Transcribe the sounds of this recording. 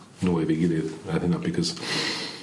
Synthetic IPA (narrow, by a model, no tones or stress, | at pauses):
noʊweɪðeɪɡɛɾɪtaɪθɪ̃ŋk̚nat̚b̥ɨkʰʌz̥